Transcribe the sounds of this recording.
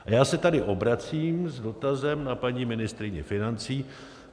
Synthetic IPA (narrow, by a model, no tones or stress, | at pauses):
ajaːsɛt̪adɪʔo̞bɾat͡siːmzdo̞t̪azɛmnapaɲiːmɪnɪst̪ɾɪɲɛfɪnant͡siː